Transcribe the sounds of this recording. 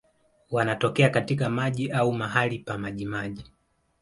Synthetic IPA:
wanatɔkɛakatikamaʄiʔaumaɦalipamaʄimaʄi

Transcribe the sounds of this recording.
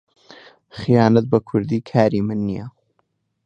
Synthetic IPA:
χijaːnɐt̪̚bɐkʰʊɾd̪iːkʰaːɾiːmɨnːijɐ

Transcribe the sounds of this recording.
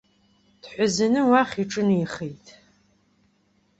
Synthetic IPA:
d̥ħʷazɐnɨwaχiʈ͡ʂʼɨnɨjχejtʰʼ

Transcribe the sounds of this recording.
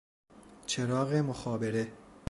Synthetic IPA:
t͡ʃʰeɾɒːɣemoxɒːbeɾe

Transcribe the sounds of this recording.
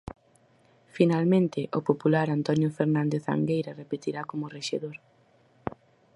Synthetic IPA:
finalmẽnt̪ɪʔʊpopulaɾant̪ɔnjʊfeɾnand̪eθa̰ŋɡejɾɐrepet̪iɾakomʊreʃḛðoɾ

